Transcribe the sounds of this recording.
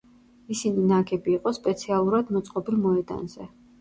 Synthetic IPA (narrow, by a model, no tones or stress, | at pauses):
isininaɡʰɛbiːqʼɔspʼɛt̪sʰialˠuɾad̪mɔt̪sʼqʼɔbilˠmɔɛd̪a̰nzɛ